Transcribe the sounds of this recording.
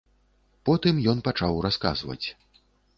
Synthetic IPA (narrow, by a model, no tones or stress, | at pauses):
pɔt̪ɨmjɔnpat͡ʂawraska̰zvɐ̰t͡sʲ